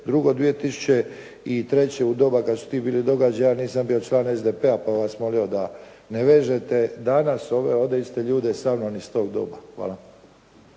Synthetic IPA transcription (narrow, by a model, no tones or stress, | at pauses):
d̪ɾuɡo̞d̪ʋije̞t̪isu̥t͡ɕe | it̪ɾe̞t͡ɕeud̪o̞ːbakad̪su̥t̪iːbiːlid̪o̞ɡad͡ʑajaːniːsambiːjo̞t͡ʃlˠaːne̞zd̪epeapaʋaːsmo̞lio̞d̪a | neʋe̞ːʒet̪ed̪anaso̞ʋeo̞d̪est̪e̞ʎuːd̪esaːmnonist̪o̞ːɡd̪o̰ːbaxʋa̰ːlˠa